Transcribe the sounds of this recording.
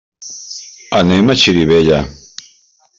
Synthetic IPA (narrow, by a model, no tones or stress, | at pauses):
anemat͡ʃʰiɾiβeja